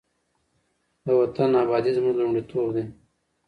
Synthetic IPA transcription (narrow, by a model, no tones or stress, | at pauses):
d̪awɐt̪ɐnaːbaːd̪izmuʐlumɖit̪ʰoːbd̪e